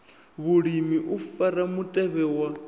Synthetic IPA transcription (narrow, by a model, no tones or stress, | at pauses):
βuɺimiʔufaɾamutʼɛβɛwa